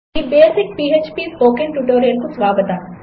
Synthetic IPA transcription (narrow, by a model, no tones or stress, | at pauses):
ibeːsɪk̚piːeːt͡ʃpispoːkɪ̃nʈuːʈoːɾijəlkosʋaːɡət̪aː